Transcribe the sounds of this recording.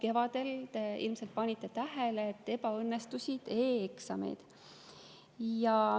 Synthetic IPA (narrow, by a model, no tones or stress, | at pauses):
ke̞vɑd̪̥e̞lt̪eilmse̞lt̪̚pɑnʲit̪ːˑe̞t̪æɦeleːt̪ːe̞pɑɤnːest̪usʲid̪̥e̞ːeksɑmḛjd̪̥ | jɑ